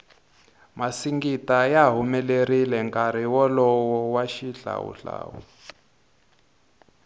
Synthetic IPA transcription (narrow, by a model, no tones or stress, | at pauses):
masiŋɡitajaɦumɛlerilɛŋkʼaɾiwɔlɔwɔwaʃiɬa̰wṵɬa̰ːwu